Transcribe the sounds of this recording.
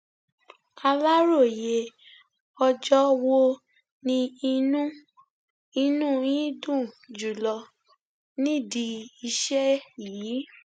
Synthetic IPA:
a˧la˦ɾo˦˨je˨ | ɔ˧d͡ʒɔ˦wo˦ | nĩ˧nũ˦ | i˧nũ˦jĩ˦dũ˦˨ | d͡ʒu˨lɔ˧ | nĩ˦˨di˧i˧ʃɛ˦jiː˨˦

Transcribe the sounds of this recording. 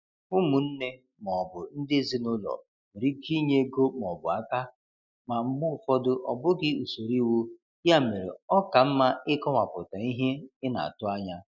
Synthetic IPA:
bʊ˦mʊ˨n̩˦ne˦ | m˨ɔ˨bʊ˨n̩˦dɪ˦zi˦nʊ˦lɔ̰˨ | m̩˨ɾi˦ki˦ɲe˦ɡo˦m˨ɔ˨bʊ̰˨a˦ka˦ | ma˨ŋ͡m̩˦ɡ͡bʊ˦˨fɔ˦dʊ˦ʔɔ̰˨bʊ˦ɡɪ˦u˨so˨ɾi˦wu˦ | ja˦˨me˨ɾḛ˨ɔ˦ka˨m̩˦ma˦ɪ˦kɔ˦ma˨pʊ˨ta˨i˦ɦe˦ɪ˦na̰˨tʊ˦a˦ɲa˦

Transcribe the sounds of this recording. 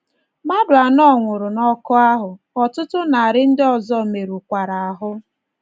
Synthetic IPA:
ma˦bɾa˨nɔ˦ŋʷʊ˨ɾʊ˨nɔ˦kɔ˦a˦ɦʊ˨ | ɔ˨tʊ˦tʊ˦na˨a˨ɾɪ˦n̩˦dɪ˦ɔ˨zɔ˦me˨ɾu˨kʷa˨ɾa˨a˨ɦʊ˦

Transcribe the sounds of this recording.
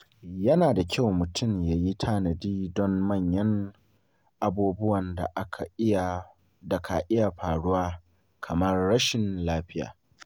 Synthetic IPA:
jɐ˦naː˨da˨kʲʰa˦˨wmʊ˨tʰʊ˦˨mja˨ji˦tʰaː˦nɐ˨diː˦dɔ˦mːɐ˦˨ɲjɐ˦ŋ | ʔa˨buː˦bʊ˦wɐ˨nda̰˨ʔa˦kʰa̰˨ɪ˦a˨ | da˨kʰa˨ʔɪ˦ja˨ɸaː˨ɽʊ˦waː˦ | kʰɐ˨mɐ˦rːɐ˦ʃɪ˨nlaː˦ɸɪ˦ja̰ː˨

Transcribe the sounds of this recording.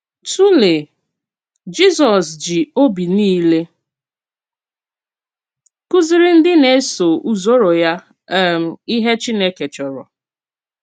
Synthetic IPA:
tu˦le˨ | d͡ʒi˦zɔ˨sd͡ʒi˨o˦bi˨niː˦le˦ | ku˦zɪ˨ɾɪ˦n̩˦dɪ˦ne˨˦so˨ʔu˦zo˦ɾo˨ja˦˨ | m̩˨i˦ɦe˦t͡ʃi˦ne˦ke˨t͡ʃɔ˨ɾɔ̰˨

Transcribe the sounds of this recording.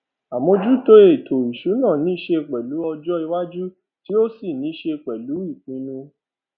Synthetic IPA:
a˨mõ˧d͡ʒu˦to˧e˨tʰo˨i˨ʃu˨˦nã˦˨nĩ˦i˦ʃe˧˨k͡pɛ˨lu˨˦ɔ˧d͡ʒɔ˦i˧wa˦d͡ʒu˦ | ti˨˦o˦si˦˨nĩ˨˦ʃe˧k͡pɛ˨lu˨˦i˦˨k͡pĩ˧˦nũ˧

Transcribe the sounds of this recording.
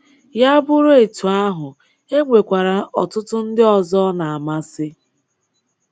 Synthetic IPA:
ja˦bʊ˦ɾe˨tu˨a˦ɦʊ˨ | e˦ŋʷe˨kʷa˨ɾa˨ʔɔ̰˨tʊ˦tʊ˦n̩˦dɪ˦ɔ˨zɔ˦na˨a˨ma˦sɪ˦

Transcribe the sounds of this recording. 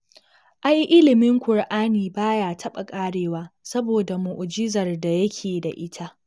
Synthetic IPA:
ʔa˦jʔɪ˦lɪ˨mɪ˦ŋkʷʊ˨rʔaː˦niː˨baː˦jaː˦tʰɐ˦ɓa˨kʼaː˦ɽeː˨waː˦sɐ˦boː˨da˨mʊ˨ʔʊ˨d͡ʒɪ˦zɐ˨rda˨jɐ˦kʲʰeː˨da˨ʔɪ˦tʰa˦ʔ

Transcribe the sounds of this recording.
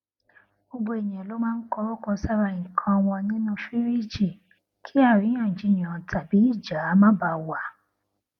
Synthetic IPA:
bo˧bo˧e˨j̃ɛ̃˨lo˨˦mãː˦n̩˦kɔ˧ɾo˦kɔ˧sa˦ɾa˧ĩ˨kʰã˧w̃ɔ̃˧nĩ˦nũ˧fi˦ɾi˦˨d͡ʒi˦˨ | kʰi˦a˦˨ɾi˨˦j̃ã˦˨d͡ʒi˨˦ɲ̃˨ã˨ta˨bi˨˦i˦˨d͡ʒa˨˦˨mã˦ba˧˦wa˨

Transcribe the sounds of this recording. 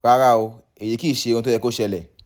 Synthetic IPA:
a˦ɾa˦˨o˧ | e˨je˨˧ki˦˨ʃe˧ɾũ˧t̬o˦jɛ˧ko˦ʃɛ˧lɛ˨

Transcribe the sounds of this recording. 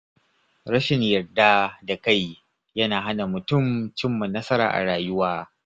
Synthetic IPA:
ɾɐ˦ʃɪ˨ɲjɐ˨rdaː˦da˨ka˦˨j | jɐ˦naː˨ɦa˦na˨mʊ˨tʊ˦˨mt͡ʃɪ˦mːɐ˨nːɐ˦sɐ˦ɾa̰ː˨ʔa̰˨ɽaː˨jʊ˦waː˦

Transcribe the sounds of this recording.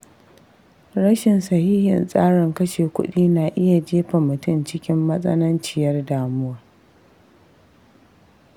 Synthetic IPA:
ɽɐ˦ʃɪ˨nsɐ˨hiː˦hɪ̰˨nsʼaː˦ɽɪ˨ŋkɐ˦ʃeː˨kʷʊ̰˦ɗiː˦naː˨ʔɪ˦ja˨d͡ʒeː˦ɸa˨mʊ˨tʊ˦nt͡ʃɪ˦kʲɪ˦mːɐ˦sʼɐ̰˦nɐ˦nt͡ʃɪ˨jɐ˦rdaː˨mʊ˦wa˨r

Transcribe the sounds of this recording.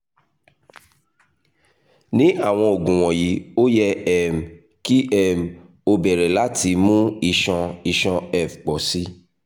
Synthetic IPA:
nĩ˨˦a˦˨w̃ɔ̃˧o˨ɡũ˨w̃ɔ̃˨ji˨˦o˦jɛ˦ɛ˦m˨ | ki˦ɛ˦˨m˨ | o˧bɛ˨ɾɛ˨la˨˦ti˧mũ˦i˧ʃɔ̃˧i˧ʃɔ̃˧ɛ˦˨fk͡pɔ˨si˦

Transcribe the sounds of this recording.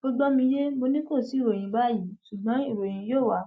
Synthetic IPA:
ɡ̥o˦ɡ͡bɔ˦mĩ˧je˦mo˧nĩ˦ko˦˨si˨˦˨ɾo˨j̃ĩ˧ba˦ji˨˦su˨ɡ͡bɔ̃˨˦i˦˨ɾo˨j̃ĩ˧joː˦˨wa˨˦

